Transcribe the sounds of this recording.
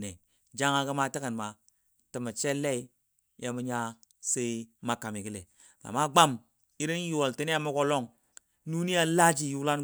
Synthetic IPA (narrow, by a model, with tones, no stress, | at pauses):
ne˨ | d͡ʒa˦ŋa˨ki˦ma˦ti˦kə˨n˨ma˨ | ti˨ma˨t͡ʃe˦lːe˦i˦ | jʔa˦mu˦ɲa˦ | se˦i˦ma˦ka˨mi˨ki˦le˨ | la̰˨ma˦ɡ͡ba˦m | i˦ɾi˦n˦ju˨wo˨lti˦ni˦a˦mu˦ko˦lo˦˨ŋ | nu˦ni˦a˦la˦d͡ʒi˨ju˦la˦n